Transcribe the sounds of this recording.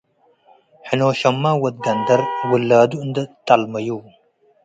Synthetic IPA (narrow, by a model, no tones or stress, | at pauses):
ħinoːɕɐmːaːwɐt̪̚ɡɐnd̪ɐɾwɨlːaːd̪und̪ət̪ɐlmɐjuw